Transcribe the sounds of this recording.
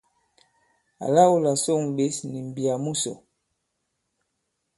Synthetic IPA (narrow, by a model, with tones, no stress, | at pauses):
a̰˨la˦wu˦la˨so˦ŋ˨be˦sni˨m˨bi˨a˨mu˦sɔ̰˨